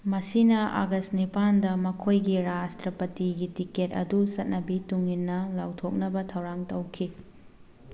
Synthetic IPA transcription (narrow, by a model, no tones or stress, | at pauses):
mɐsinɐa̰ɡɐstnipandɐmɐkʰojɡiɾastɾɐpɐtiɡitiket̚ɐ̰dusɐt̚nɐbituŋinːɐlawtʰok̚nɐbɐtʰɐwɾaŋtɐwkʰi